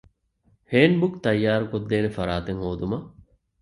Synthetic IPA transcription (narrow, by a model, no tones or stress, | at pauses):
heːnbukt̪ɐjːaːɾukod̪ːeːnefɐɾaːt̪eŋhoːd̪umɐ